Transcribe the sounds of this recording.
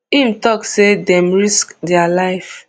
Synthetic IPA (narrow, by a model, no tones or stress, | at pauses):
imtɔksedɛ̃mɹiskdɛalaɪf